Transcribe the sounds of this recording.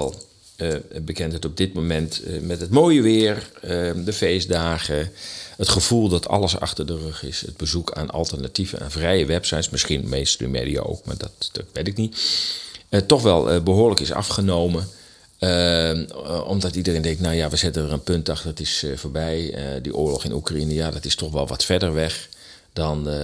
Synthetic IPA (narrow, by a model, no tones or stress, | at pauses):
ɛlˠ | bəkɛntətɔb̚dɪt̚momɛntmɛtətmoːjəʋɪərədəfeːsdaːɣəətχəv̥ulˠdɔtʰɑ̰lˠəsɑ̰xtərdərøxɪsə̰t̚bəzukʰa̰ːna̰lˠtərnativə̰ɛ̰nvrɛjəʋɛpsajtsmɪsxinmeːstdy̰mḛdḭa̰o̰wkma̰dɔtdɔtʋetɪknit | ətɔxʋɛlˠbəɦoːləkɪsɑ̰fχənowmə | ɔ̰mdɔtidəreːndɛŋktnawjaʋəzɪtənərənpøntɑxtərətɪsfoːɹbɛjədḭʔoːlɔxɪnṵkrainəjadɔtɪstɔxʋɛlˠʋɔ̰tfɛdərʋɛx | dɔn